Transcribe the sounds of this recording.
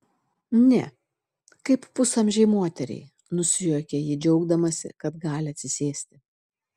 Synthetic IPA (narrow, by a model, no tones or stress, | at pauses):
nʲɛ̰ | kɐɪppʊsɐmʲʒʲɛɪmoːt̪ʲɛɾʲɛ̰ɪ | nʊsʲɪjuːkʲejɪd͡ʒʲɛʊɡd̪ɐmɐsʲɪ̰kɐt̪ɡɑːlʲɪɐt̪ʲsʲɪsʲeːsʲt̪ʲɪ